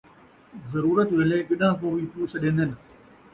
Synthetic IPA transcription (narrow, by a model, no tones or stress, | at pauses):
zɐɾuːɾət̪ʋɪleːɠɐɗãːkoːʋiːpuːsɗẽːnd̪enɪ̆